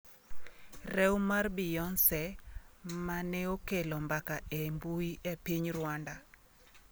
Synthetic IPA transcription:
rɛwmarbɪjɔnsɛ | maneokelɔmbakaembuiʔepiɲrwanda

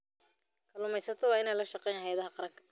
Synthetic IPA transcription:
kʰɐlʊmɛjsɐt̪ʰɐwɑːɪnɛjlɐʃɑqɛjnhɐjɐðɐɦɐqɑɾɐŋkʰɐ̥

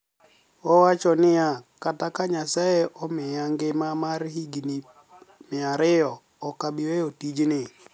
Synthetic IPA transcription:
ɔwat͡ʃɔnɪjakatakaɲasajeʔɔmɪjaŋɡɪmamaɾhiɡni | mɪaɾɪjɔ | ɔkaɓiweotid͡ʒnɪ

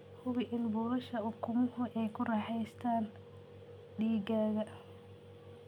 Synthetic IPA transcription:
hʊβɪʔɪnbɔːlɐʃɐʔʊkʰʊmʊhʊʔɛjkʰʊrɑħɛjst̪ʰaːn | ɖiːɡaːɣɐ

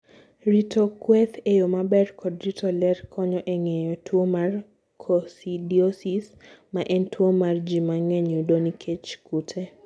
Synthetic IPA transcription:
ɾitʰɔkwɛθejomabɛrkʰɔdɾitʰɔlɛrkʰɔɲɔʔɛŋɛjɔtʰwomar | kʰɔsidiosismaʔɛntʰwomard͡ʒimaŋeɲudonikʰet͡ʃkutʰɛ

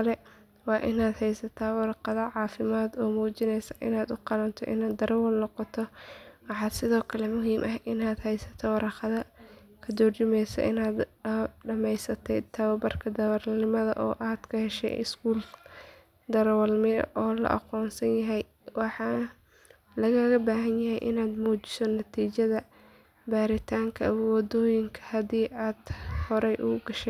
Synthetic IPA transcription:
ɐlɛ | wɑːʔɪnaːd̪hɛjsɐt̪ʰaːwɑɾɑqɑðɐʕɑːfɪmaːd̪ɔːmuːt͡ʃɪnɛjsɐʔɪ̰naːd̪ʊqɑlɐnt̪ʰɔ̰ʔɪnaːd̪ɐɾwɐlnɔqɔt̪ʰɔwɑħɑːd̪sɪðɔːkʰɐlɛmʊɦiːmʔɐɦʔɪnaːd̪hɛjsɐ̥t̪ʰɔwɑɾɑqɑðɐ | kʰɐd̪ɔrt͡ʃʊmɛjsɛ̰ʔɪnaːd̪ɖɐmɛjsɐt̪ʰɛt̪ʰɐβɐbɐrkʰɐd̪ɐwɐrnɪmɐðɐ̰ʔɔ̰ːʔaːd̪̥kʰɐhɛʃɛ̰jʔɪ̰skʰuːl | d̪ɐɾwɐlmɪɐ̰ʔɔːlɐ̰ʔɑ̰qɔːnsɐnjɐɦɛj | wɑħɑ | lɐɣɐɣɐbaːɦɐnjɐɦɛjʔɪnaːd̪muːt͡ʃɪ̥sɔnɐt̪ʰiːt͡ʃɐðɐ | baːɾɪt̪ʰaːŋkʰɐwɑd̪ɔːjɪŋkʰɐ̥hɐd̪iːʔaːd̪hɔɾɛjʔʊɡɐʃɛ

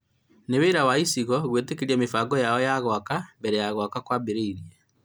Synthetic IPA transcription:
neweɾawaisiɣɔɣwetekeɾiamefaɡɔjaɔjaɣwakambɛɾɛjaɣwakakwabeɾeiɾia

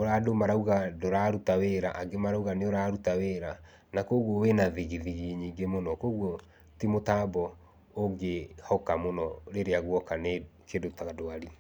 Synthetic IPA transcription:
oɾadomaɾauɣadoɾaɾutaweɾaʔaɡemaɾauɣaneoɾaːɾutaweɾa | nakoɣwɔwenaðiɣiðiɣiɲiːŋɡemonɔkoɣwɔ | timotaːbɔ | oŋɡehɔkamonɔɾeɾeaɣwɔkanekedotaɣadoaɾi

